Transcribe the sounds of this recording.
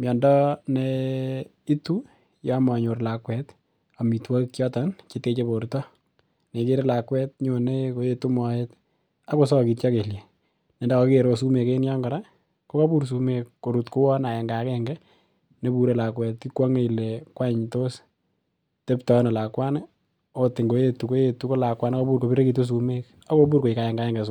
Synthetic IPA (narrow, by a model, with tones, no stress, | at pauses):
mjɔ˨ndɔ˦ne | i˦tu˦ | jɔ˦mɔ˨ɲo˨rla˨kwɛ˨t | a˨mi˨twa˦kjɔ˦ta˨nt͡ʃe˦te˧t͡ʃe˦po˨ɾtɔ˦ | ne˨ke˦ɾe˦la˨kwɛ˦t̚ɲo˨ne˦ko˦je˦tu˦mɔ˨et | a˦ko˨s̬ɔ˦ki˨tt͡ʃa˦ke˨lje˨ | ne˨nda˦ko˨keɾo˨su˦me˨ke˦nja˦ŋɡɔ˨ɾa˦ | ko˦ka˦pu˦ɾs̬umekːo˨ɾu˨tku˦wɔ˦na˨jɛ˨ŋɡa˨kɛŋɡɛ˦ | ne˦bu˦ɾe˦la˨kwɛ˨tki˦kwa˦ŋe˦i˨le˨kwa˦ɲto˦s | te˦ptɔ˦nɔ˨la˨kwa˦ne | o˦tɪ˨ŋɡo˨˦je˦tu˨ko˦je˧tu˦ko˦la˨kwa˦na˦ko˦bu˦ɾko˨pi˦ɾe˦kit̬u˦s̬umek | a˦ko˦b̬uː˦ɾko˨i˨ka˨jɛ˨ŋɡa˨ɛ˦ŋɡɛ˨s̬u